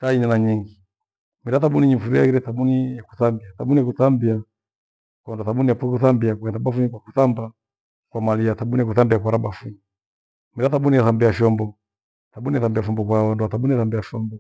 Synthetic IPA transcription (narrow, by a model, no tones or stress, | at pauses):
taiɲanaɲiŋɡi | miɾaθaɓuniɲifuɾiaiɾɛθaɓunijaku̥θambiaθaɓunijakuθambia | kwanduaθaɓunijapukuθambiakuɛndaɓafuɲikwakuθamba | kwamaliaθaɓunijakuθambiakwaɾabafuɲi | miɾaθaɓunijaθambiaʃɔmbɔ | θaɓunijaθambiafumbɔkwaanduaθaɓuniaθambiaʃɔmbɔ